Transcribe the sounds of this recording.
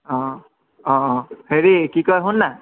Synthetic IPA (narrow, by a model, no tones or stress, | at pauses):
ɔ̃ | ɔ̃heɹikikɔjɦʊnːa